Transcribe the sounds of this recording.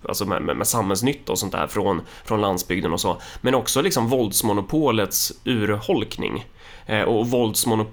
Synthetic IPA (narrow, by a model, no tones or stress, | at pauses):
a̰lsɔmɛ̰mɛ̰mʔɛsamhɛls̬nʏt̪ʰːɔsɔnt̪d̪æ̰ːɾfɾɔn | fɾɔnland̪sbʏɡd̪ənɔsɔmɛnɔksɔlɪksɔmvɔld̪smʊnʊpʰoːlət̪sʉ̟ːɾhɔlknɪ̰ŋ | ʔɔvɔld̪smʊnʊp